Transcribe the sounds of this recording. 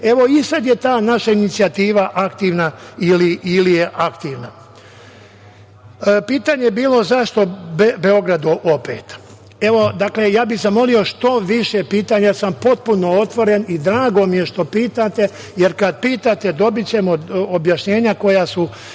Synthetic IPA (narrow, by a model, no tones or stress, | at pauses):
e̞ʋo̞isad̪je̞t̪aːnaʃainit̪siat̪iːʋaʔakt̪iːʋnailiilijeʔakt̪iːʋna | piːt̪aɲebiːlo̞zaʃt̪o̞bbeo̞ɡɾad̪uʔo̞pḛːt̪ | e̞ʋo̞d̪akle̞jaːbiɣzamo̞lio̞ʃt̪o̞ʋiʃe̞piːt̪aːɲasampo̞t̪̚puno̞o̞t̪ʋo̞ɾe̞nid̪ɾaːɡo̞mije̞ʃt̪o̞piːt̪at̪e̞ | je̞ɾkad̪̚piːt̪at̪e̞d̪o̞bit͡ɕe̞moobjaʃɲe̞ːɲako̞jasu